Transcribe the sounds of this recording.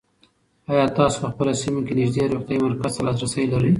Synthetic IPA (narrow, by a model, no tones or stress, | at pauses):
ɑjɑt̪ɑso̥pəxpəlasimokenɪʒd̪eɾoxt̪jaimaɾkaz̥t̪alɑd̪ɾasəjlaɾəj